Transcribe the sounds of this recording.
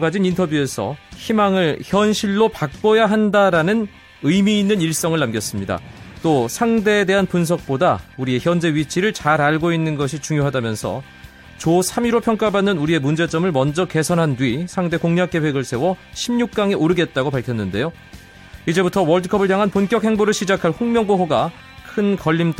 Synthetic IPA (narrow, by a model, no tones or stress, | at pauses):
ɡad͡ʑinintʰʌbjue̞sʰʌ̰çimaŋɯɭçjʌnɕʰiɭːopak̚p͈ʌjaɦandaɾanɯn | ɯjmiːnːɯniɭs͈ʌŋɯɭːamɡjʌs͈ɯmɲida̰t͈osʰaŋde̞de̞ɦanpuns̬ʰʌk̚p͈odauɾie̞çjʌnd͡ʑe̞ɥit͡ɕʰiɾɯɭt͡ɕaɾaɭɡoinːɯnɡʌɕʰit͡ɕuŋjoɦadamjʌnsʰʌ̰ | t͡ɕosʰamiɾopʰjʌŋk͈abanːɯnuɾie̞mund͡ʑe̞t͡ɕ͈ʌmɯɭmʌnd͡ʑʌke̞sʰʌnɦandɥisʰaŋde̞koŋɲak͈̚e̞we̞ɡɯɭsʰe̞wʌɕʰimɲuk̚k͈aŋiʔoɾɯɡe̞t̚t͈aɡopaɭkʰjʌnːɯnde̞jo | id͡ʑe̞butʰʌwʌɭdɯkʰʌbɯɭjaŋɦanponk͈jʌk̚he̞ŋboɾɯɭɕʰid͡ʑakʰaɭɸoŋmjʌŋboɦoɡa | kʰɯnkʌʎːim